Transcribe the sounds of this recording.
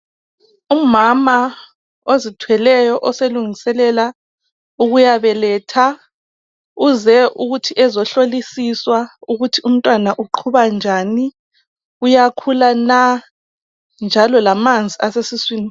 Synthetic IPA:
umama | ozitʰwɛlɛjɔʔɔseluŋisɛlɛla | uɣujaβɛlɛːtʰa | uzɛʔuɣutʰiʔɛzɔɬolisiswauɣutʰium̩tʼwanaʔuǃʰuβand͡ʒʱani | ujakʰulana | nd͡ʒʱalɔlamand͡zʱiʔasesiswiːni

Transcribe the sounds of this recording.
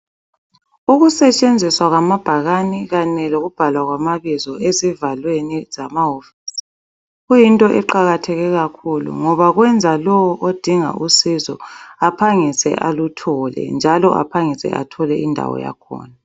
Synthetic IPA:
uɣusɛt͡ʃʼend͡zʱiswaɣamab̥ʱaɣaniɣanɛloɣub̥ʱalwaɣwamaβizɔezivalwenizamaɦofi̥si̥ | ɣujintʼɔʔɛǃaɣatʰɛɣɛɣakʰulṵŋɔβaɣwɛnd͡zʱalɔwɔʔod̥ʱiŋa̰ʔusizɔapʰaŋisɛ̰ʔalutʰɔlɛ̰nd͡ʒʱalɔ̰ʔa̰pʰaŋisɛ̰ʔa̰tʰɔlɛʔindʱa̰wɔ̰ja̰kʰɔ̰ːna

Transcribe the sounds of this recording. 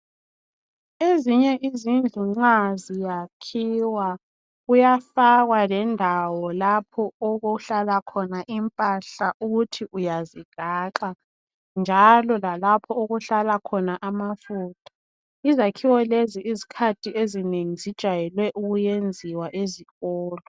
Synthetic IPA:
eziɲɛʔizind͡ɮʱuŋ͡ǁazijakʰiwa | ɣujafaɣwalɛndʱawɔlapʰɔoɣoɬalakʰɔnaʔimpʼaɬaʔuɣutʰiʔujaziɡ̥ʱaːǃa | nd͡ʒʱalɔlalapʰɔoɣuɬalakʰɔnaʔamafuːtʰḁ | izakʰiwɔleziʔizikʰatʰiezineŋizid̥ʒ̥ʱajɛlwɛʔuɣujend͡zʱiwaʔeziɣɔːlɔ

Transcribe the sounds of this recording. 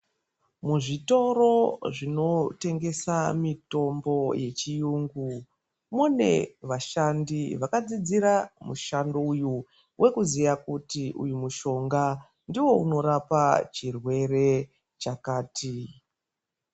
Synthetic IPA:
muʐito̞ro̞ʐino̞te̞ŋɡe̞samito̞mbo̞je̞t͡ʃijuːŋɡu | mune̞̰ʋaʃandiʋakad͡zid͡ziɾamuʃandouju | wʔe̞kuzijakutiʔujumuʃo̞ŋɡa | ndiwo̞uno̞ɾapat͡ʃirwe̞re̞ | t͡ʃakaːtʰi

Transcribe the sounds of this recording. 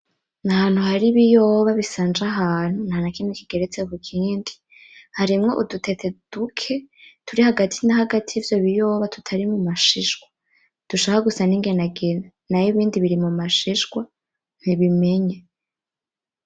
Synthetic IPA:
nahaːn̥huhaɾiβijo̞ːβaβisaːnd͡ʒaɦaːn̥hunhanakinikiɡe̞ɾet͡seβukʰiːndi̥ | haɾimŋo̞ʔudutʰe̞te̞d̥ukʰe̞tʰuɾihaɡatʰinahaɡatʰiːvjo̞βijo̞ːβatʰu̥tʰaɾimumaʃiʒɡwa | d̥uʃaːkaɡusaniŋɡe̞naɡena | najiβiːndiβiɾimumaʃiʒɡwa | n̥iβime̞ɲe

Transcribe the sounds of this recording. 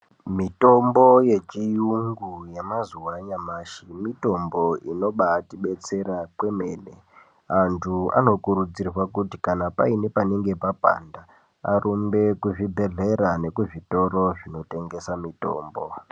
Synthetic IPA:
mito̞mbo̞je̞t͡ʃijuŋɡuje̞mazuwaɲamaːʃimito̞mbo̞ino̞ɓatiɓe̞t͡se̞ɾakwe̞me̞ːne̞ | antʰua̰no̞kuɾud͡zirwakutikanapaine̞pane̞ŋɡe̞papa̰nda | a̰rʔumbe̞kuʐibʱe̞ɮe̞ɾane̞kuʐito̞ɾo̞ʐino̞te̞ŋɡe̞samito̞̰ːmbo

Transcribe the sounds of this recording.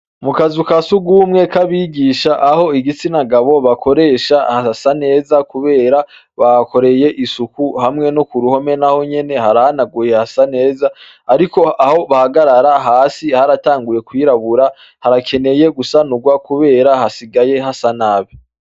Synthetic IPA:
mukazukasuɡumŋekʰaβiːɡiʃaʔaho̞iɡit͡sinaɡaβo̞βakʰo̞ɾe̞ːʃahasane̞ːzakuβe̞ːɾa | βako̞ɾe̞je̞ʔisukuhamŋe̞nokuɾuho̞me̞naho̞ɲe̞ne̞haɾahanaɡuje̞hasane̞ːzaː | ɾiko̞ʔaho̞βahaɡaɾaɾaɦaːsihaɾataːŋɡuje̞kwiːɾaβuɾa | haɾakʰe̞ne̞je̞ɡusanuɡwakuβe̞ːɾahasiɡaje̞ɦasanaːβi

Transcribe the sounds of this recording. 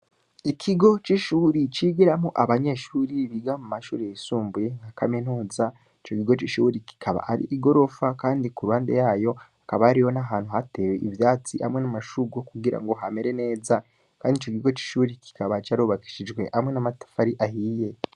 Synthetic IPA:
ikʰiɡo̞t͡ʃiʃuɾit͡ʃiɡiɾamuʔaβaɲe̞ʃuːɾiβiɡamumaʃṵːɾejesuːmbujeŋakamenuːza | it͡ʃo̞kiɡo̞t͡ʃiʃuɾiki̥kʰaβa̰ʔaɾḭʔiɡo̞ɾo̞fakaːndikuɾuhaːnde̞̰jaːjo̞akaβaːɾijo̞naɦaːn̥huɦate̞we̞ʔivjaːt͡sihamŋenamaʃuɡokuɡiɾa̰ŋɡo̞ɦame̞ɾe̞ne̞ːza | kaːndit͡ʃokiɡo̞t͡ʃi̥ʃuːɾiki̥kaβat͡ʃaɾuːβaki̥ʃid͡ʒɡwe̞ʔhamŋe̞namatḁfaɾiʔahije̞

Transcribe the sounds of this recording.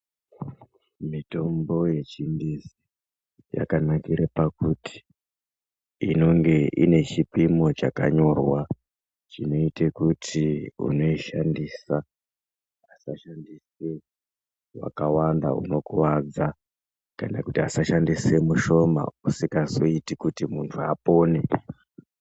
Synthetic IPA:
mito̞mbo̞je̞t͡ʃindizi | ja̰kanakiɾepakuti̥ | no̞ŋɡe̞ʔine̞t͡ʃipimo̞t͡ʃaka̰ɲo̞rwa | t͡ʃino̞itekutʰiṵno̞iʃandiːsa | asaʃandise | wa̰kawanda̰ṵno̞kuwad͡za | kanakutiasaʃandisemuʃo̞ma̰usikaso̞itikutimuntʰuapo̞ːne

